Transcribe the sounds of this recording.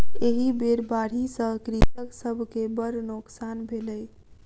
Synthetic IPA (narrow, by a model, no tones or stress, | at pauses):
eɦibeɾbaɽ̤isə̃kɾitəksəbʱkebəɾnoksanbʱeləj